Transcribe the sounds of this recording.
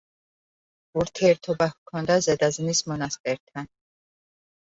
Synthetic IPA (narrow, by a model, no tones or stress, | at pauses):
uɾt̪ʰɛːɾt̪ʰɔbahkʰɔnd̪azɛd̪aznismɔnast̪ɛɾt̪ʰan